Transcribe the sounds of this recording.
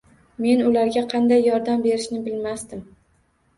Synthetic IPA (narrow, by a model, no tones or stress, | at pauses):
me̞nʊlaɾɡʲaqʰɑnd̪ajːɒɾd̪ambe̞ɾɪʃnɪbɪlmast̪ɪm